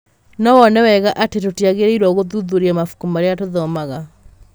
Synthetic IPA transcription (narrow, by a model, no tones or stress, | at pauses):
nɔwɔnɛwɛɣaʔatetotiaɣeɾeiɾwɔɣoðuðuɾiamafu̥kumaɾeatoðɔmaɣa